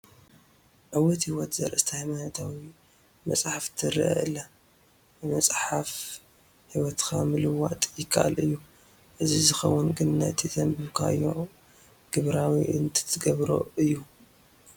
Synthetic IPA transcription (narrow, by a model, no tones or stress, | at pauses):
ʕɨwɔt̪hiwɔt̪zɐɾʔɨst̪ʰahajmanɐt̪ʰawi | mɐ̰sʼħaft̪ʰɨɾɨʔɐ̰ʔɨlːa | bɨmɐsʼħaf | hiwɔt̪kʰamɨlɨwat̪ʼjɪkʰːaʔa̰lʔɨjːu | ʔɨzizɨxɐ̰wːʊnɡɨnna̰jt̪ʰisɐmbɨβkʰa̰ɨjːo̰ | ɡ̥ɨβɾawiʔɨnt̪ʰɨ̥t̪ʰɨɡɐβɾo̰ʔɨjːu